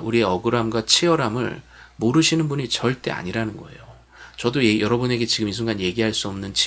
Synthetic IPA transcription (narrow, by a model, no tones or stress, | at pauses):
uɾie̞ʌɡɯɾamɡwat͡ɕʰiʌɾamɯ̰ɭ | moɾɯɕʰinɯnbuɲit͡ɕʌɭt͈e̞̰a̰ɲiɾanɯnɡʌe̞̰jo | t͡ɕʌdojʌɾʌbune̞ɡe̞t͡ɕiɡɯmis̬ʰuŋɡanje̞ɡiɦaɭs͈uʌmnɯnt͡ɕʰ